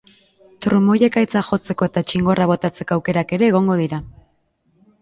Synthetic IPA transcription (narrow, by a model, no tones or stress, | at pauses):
t̪ɾumo̞jekajt͡saxo̞t͡se̞ko̞e̞t̪at͡ʃiŋɡo̞raβ̞o̞t̪at͡se̞ko̞awke̞ɾake̞ɾe̞ːɣ̞o̞ŋɡo̞ðiɾa